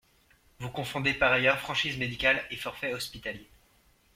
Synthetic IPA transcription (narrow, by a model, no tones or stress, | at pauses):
vukɔ̃fɔ̃d̪epaʁajœʁfχɑ̃ʃizmed̪ikʲalefɔʁfɛɔspit̪alje